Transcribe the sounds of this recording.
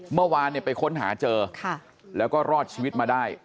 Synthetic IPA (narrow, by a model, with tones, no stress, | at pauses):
mɯ˥˩ɐwaː˧nːi˥˩ɐpa˧jkʰo˦˥nɦaː˩˦t͡ɕɤː˧kʰa˥˩ | lɛː˦˥wkɔː˥˩ɾɔː˥˩t̪̚t͡ɕʰiː˧wi˦˥t̪̚maː˧daː˥˩j